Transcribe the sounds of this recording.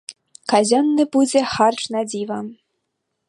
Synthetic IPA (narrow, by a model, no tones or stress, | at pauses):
kazʲɔnːɨbud͡zʲɛxarʈ͡ʂnad͡zʲivɐ